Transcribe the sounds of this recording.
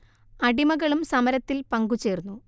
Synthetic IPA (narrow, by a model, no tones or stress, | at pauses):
ɐɽimɐɣɐɭumsɐmɐɾɐt̪ːilpɐŋɡut͡ɕːeːrunːu